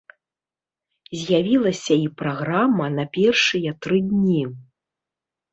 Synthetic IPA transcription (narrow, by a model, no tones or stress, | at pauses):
zʲjavʲilˠɐsʲɐipɾaɣɾamːɐnɐpʲɛrʂɨjɐt̪ɾɨd̪ʲnʲi